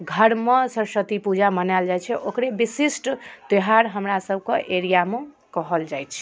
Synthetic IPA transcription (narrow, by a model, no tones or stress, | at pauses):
ɡʱəɾmesəɾsət̪ipud͡ʒamənald͡ʒajt͡ʃʰɛʔokɾebisisʈt̪eɦaɾɦəmɾasəbʱkeʔeɾijame | kəɦəld͡ʒajt͡ʃʰ